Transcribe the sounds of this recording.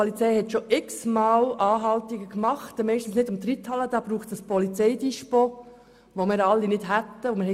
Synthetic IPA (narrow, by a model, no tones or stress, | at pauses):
pɔlit͡sɛjhɛtʃoʔɪksmɑːlɑːɦɑltiɡəkmɑχtmɛɪʃtn̩snɪdʊmt̪ɾithɑlːəd̥̪ɑːb̥ɾuːχsəspɔlit͡sɛɪdiʃpo | ʋomɪːɾɑlːinɪd̥ɦæt̪ːəʊmɪhɛ